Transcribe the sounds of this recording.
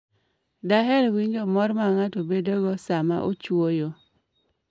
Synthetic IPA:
daɦɛɾwiɲd͡ʒomɔɾmaŋatobedoɡɔsama̰ʔot͡ʃwojo

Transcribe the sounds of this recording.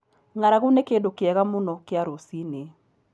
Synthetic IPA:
ŋaɾaɣunekedokɪɛɣamʊnɔkɪaɾosine

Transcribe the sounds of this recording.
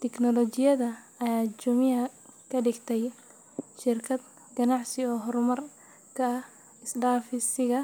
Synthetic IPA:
t̪ʰɛknɔlɔt͡ʃɪjɐðɐɐjaːt͡ʃʊmɪɐkʰɐɖɪɡt̪ʰɛj | ʃɪrkʰɐd̪ | ɡɐnɑʕsɪɔːɦɔɾmɐr | kʰɐɐh | ɪsɖaːfɪsɪɣɐ

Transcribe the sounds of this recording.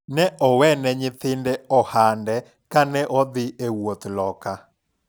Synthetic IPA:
nɛʔɔwɛnɛɲɪt̪ɪndɛɔhandɛ | kanɛʔɔd̪ɪewot̪lɔka

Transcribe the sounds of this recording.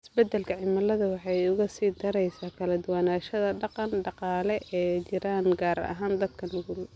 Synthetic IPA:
ɪsbɛd̪ːɛlkʰɐʕɪmɐlɐðɐwɑħɑjʊɣɐsiːd̪ɐɾɛjsaːkʰɐlɐd̪ʊwaːnaːʃɐðɐɖɑqɑnɖɑqɑːlɛʔɛːt͡ʃɪɾaːnɡaːɾɐ̰ɦaːnd̪ɐd̪kʰɐnʊɣʊl

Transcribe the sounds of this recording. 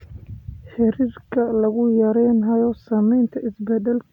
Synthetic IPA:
ħɪɾiːrkʰɐlɐɣʊjɐɾɛːnɦɐjɔsaːmɛjnt̪ʰɐɪsbɛðɛlk

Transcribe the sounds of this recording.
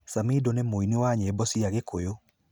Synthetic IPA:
samidonemoiniwaɲeːbɔsiaɣekojo

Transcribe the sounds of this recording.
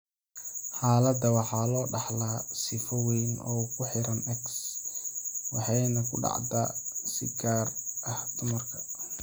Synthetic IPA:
ħɑːlɐd̪ɐwɑħɑːlɔːɖɑħlaːsɪfɔwɛːnɔ̰ːkʰʊħɪɾɐnɛks | wɑħɑjnɐkʰʊɖɑ̰ʕd̪ɐsɪ̰ɡaːrʔɐhd̪ʊmɐrkʰɐ̥

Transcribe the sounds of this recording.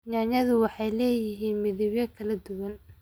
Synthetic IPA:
ɲaːnɐðʊwɑħɑjlɛːjɪɦiːnmɪðɪβjɐkʰɐlɐd̪ʊwɐn

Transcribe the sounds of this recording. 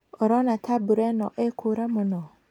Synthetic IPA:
oɾɔnatʰabuɾɛnɔ̰ʔekʰuɾamʊnɔ

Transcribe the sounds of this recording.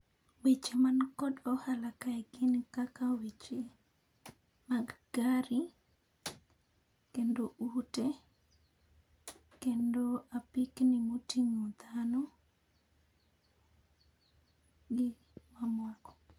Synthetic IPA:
wet͡ʃemankɔdɔhalakaɛɡɪnkakawet͡ʃe | maɡɡaɾi | kendoʔute | kendoapiknimotiŋod̪ano | ɡɪ | mamwakɔ̥

